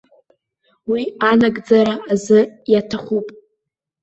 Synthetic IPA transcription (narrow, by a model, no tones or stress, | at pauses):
wianaɡʼd͡zaɾaːzɨjatʰaχʷupʼ